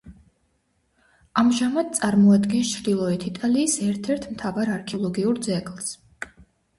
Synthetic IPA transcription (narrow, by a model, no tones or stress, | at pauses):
amʒamad̪̥̚t̪sʼaɾmɔad̪ɡɛnst͡ʃʰɾd̪ilˠɔɛt̪ʰit̪ʼaliːsɛɾt̪ʰɛɾt̪ʰmt̪ʰavaɾaɾkʰɛɔlˠɔɡiuɾd̪zɛɡlˠs